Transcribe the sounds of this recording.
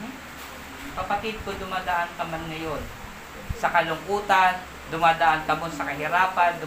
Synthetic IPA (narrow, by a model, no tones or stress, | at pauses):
kɐpɐt̪ɪd̪̚kod̪ʊmaːd̪ɐʔaŋk̪ɐmanŋɐjon | sɐkɐlʊŋkuːt̪an | d̪ʊmaːd̪ɐʔankɐmonsɐkɐɦɪɾaːpand̪ʊ